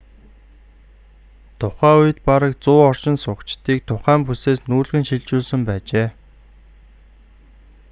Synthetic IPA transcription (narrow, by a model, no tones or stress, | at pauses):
t̪ʰʊχæːuj̆t̪paɾə̆k̚t͡sʊːɔr̥t͡ɕɪ̆nsʊkt͡ɕt̪iːk̚t̪ʰʊχæːmp̬useːsnuːɮɣɘ̆nʃiɮt͡ɕuːɮsə̆mpæːt͡ɕeː